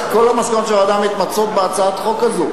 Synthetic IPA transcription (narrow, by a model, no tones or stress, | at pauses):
ko̞lamaskanot̪ʃelaːd̪amit̪mat͡sot̪̚beat͡saat̪χo̞kazu